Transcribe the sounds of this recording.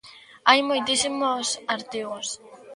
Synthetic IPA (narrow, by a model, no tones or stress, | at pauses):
ajmojt̪isimosaɾt̪iɣʊs